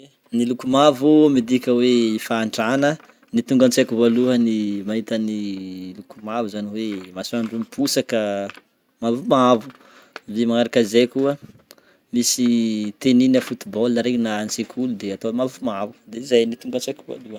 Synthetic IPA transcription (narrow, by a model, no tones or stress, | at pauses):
nilukumavumid̪ikʲəweifaːɳɖ͡ʐanə | nit̪uŋɡant͡sakuvaluənimaɦit̪ənilukumavuzaniwemasuaɳɖ͡ʐumipʰusakə | mavumavu | vimaŋaɾakazekuə | misit̪eninəfut̪ibɔlnaɾeɲnaant͡sekʰulud̪eat̪omavumavud̪eizajnit̪uŋɡant͡sakʲiva̰luə